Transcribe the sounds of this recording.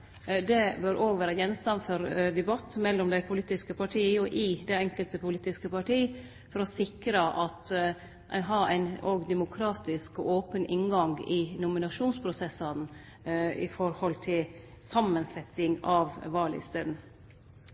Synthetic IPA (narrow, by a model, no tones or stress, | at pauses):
d̪ɛbœɾʔoːɡʋæːɾəjɛnst̪ɑnfɔɾd̪ɛbɑt̪ːmɛlːɔmd̪æɪpʰʊliːt̪ɪskəpɑʈʰiːəjʊʔɪd̪ɛɛŋkəlt̪əpʰʊliːt̪ɪskəpɑʈiː | fɔɾɔsɪkɾəʔɑt̪ | ɦɑɾæ̰ɪnoːɡd̪ɛmʊkʰɾɑːt̪ɪskɔʔoːpənʔɪnɡɑŋɡɪnʊmɪnɑʂuːnspʰɾʊsɛsɑn | ɪ̰fɔɾhɔlt̪ʰɪl | sɑmːənsɛt̪ɪŋɑʋʋɑːɭɪ̰st̪eːd̪n̩